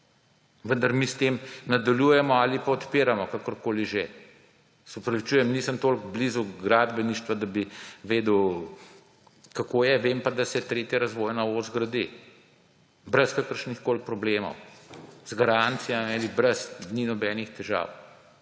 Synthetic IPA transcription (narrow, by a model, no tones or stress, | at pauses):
ʋənd̪ɐɾmist̪eːmnad̪aljuːjɛmɔalipaɔt̪piːɾamɔkakɔɾkoːliʒe | sɔpɾɐʋit͡ʃujɛmniːsəmt̪oːlkblizuɡɾaːd̪bɛniʃt̪ʋad̪abiʋeːd̪uw | kakoːjɛʋeːmpad̪asɛt̪ɾeːt̪jɛɾazʋojnaozɡɾɐd̪i | bɾɛskakəɾʃnixkoːlpɾɔbleːmɔ̰wz̥ɡaɾant̪sijamialibɾɛsninɔbɛːnixt̪ɛʒa̰w